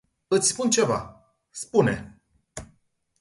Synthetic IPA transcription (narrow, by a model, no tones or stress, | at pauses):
ɨt̪sʲspunt͡ʃe̞va̰ | spunḛ